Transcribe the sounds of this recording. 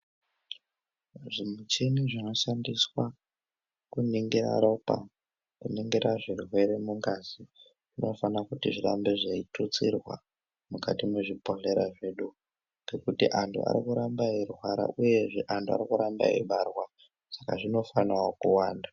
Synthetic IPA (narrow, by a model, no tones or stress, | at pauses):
ʐimut͡ʃeniʐino̞ʃandiswa | kuniŋɡira̰ɾopa̰ | kuniŋɡiɾaʐirwe̞ɾe̞muŋɡazi | ʐino̞fanakutiʐiɾambe̞ʐaitut͡sirwa̰ | mukatimeʐipo̞ɮe̞ɾaʐe̞ɗu | ŋɡe̞kutiʔantʰṵa̰ɾikuɾambairwaɾa̰ʔuje̞ʐeʔantʰua̰rikuɾamba̰ḭɓarwa | sḁkaʐino̞fanawokuwaːnda